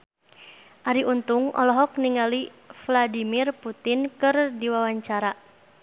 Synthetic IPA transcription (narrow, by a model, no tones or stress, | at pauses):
ʔaɾiʔunt̪uŋɔ̰lɔɦɔk̚niŋali | fladimirput̪inkɨrdiwawaɲt͡ʃaɾa